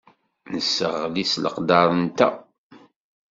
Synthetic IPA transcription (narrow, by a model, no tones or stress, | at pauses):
nəsːəʁlislə̰qd̪ɑɾˤənt̪æ̰